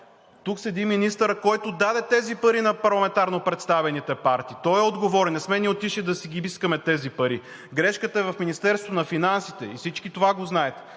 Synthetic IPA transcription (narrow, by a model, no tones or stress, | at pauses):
t̪uksɛd̪iminist̪əɾəkɔjt̪ʊd̪ad̪ɛt̪ɛzipɐɾinɐpɐɾlˠɐmɛ̃nt̪aɾnopɾɛt̪st̪avɛnit̪ɛpaɾt̪iːt̪ɔjɛod̪ɡovɔɾɛnɛsmɛniot̪iʃid̪ɐsiɡʲibiskəmɛt̪ɛzipɐɾi | ɡɾɛʃkət̪əɛvɐfminist̪ɛɾsvoonɐfinansit̪ɛifsit͡ʃkit̪ovaɡoznaɛt̪